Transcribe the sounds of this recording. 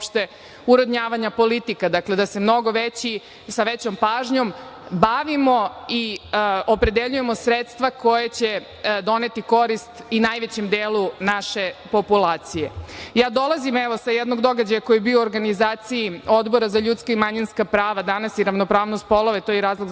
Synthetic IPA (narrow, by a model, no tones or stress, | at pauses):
opʃt̪e | uɾod̪ɲaːʋaɲapo̞lit̪ikad̪akle̞d̪ase̞mno̞ɡoʋet͡ɕi | saʋet͡ɕompaːʒɲo̞mbaʋimo̞iopɾe̞d̪eʎuje̞mo̞sɾet̪st̪ʋako̞jet͡ɕe | d̪o̞ne̞t̪iko̞ɾist̪inajʋet͡ɕemd̪eːlˠunaʃepo̞pulaːt̪sijejaːd̪o̞lˠazimeʋo̞sajɛd̪no̞ɡd̪o̞ɡad͡ʑajako̞jebioːɾɡanizaːt̪sijio̞d̪bo̞ɾazaʎut̪skaimaɲinskapɾaːʋad̪anasiɾaʋnopɾaːʋnost̪̚po̞lˠo̞ʋet̪ojɛɾaːzlˠoɡ